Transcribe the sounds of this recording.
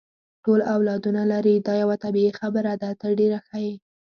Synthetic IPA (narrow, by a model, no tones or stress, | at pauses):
ʈolawlɑd̪unalaɾid̪ɑjawat̪abiexabəɾad̪at̪əɖeɾaxaje